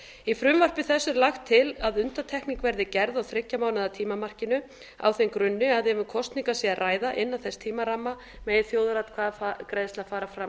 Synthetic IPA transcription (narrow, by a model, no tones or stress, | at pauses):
ifɾʏmvar̥pɪθɛsːʏɾlaxt̪ʰːɪlaðʏnt̪at̪ʰɛhkniŋkvɛɾðɪcɛɾðawθɾɪcːamaːwnaðat̪ʰiːmamar̥cɪnʏ | a̰wθejmkɾʏnːʏaðɛvʏnkʰɔst̪niŋkasɛarʔaːjðaʔɪnːaθɛst̪ʰiːmaɾamːa | mɛjɪθjoːwðɾat̪kʰvaːðakɾejðɪst̪aðfaːɾafɾam